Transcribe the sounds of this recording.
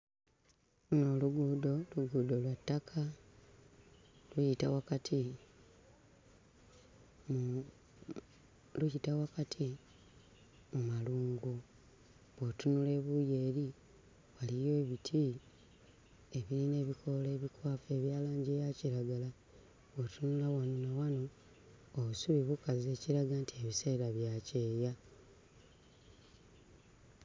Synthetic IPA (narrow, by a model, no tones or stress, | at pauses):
uno̞ːluɡuːdo̞luɡuːdo̞lwatːakʰa | lujitawakatʰi | m | lujitawakatʰi | mumaluːŋɡu | βwotunule̞ːβujeːɾi | walijo̞ːβitʰi | eβiɾine̞ːβikʰo̞leːβikwaːfe̞ːβjaːlaːɲɟejaciɾaɡala | βwotunulawanonawanoː | βusuβiβukaze̞ːciɾaɡantʰie̞βiseiɾaβjaːce̞ːja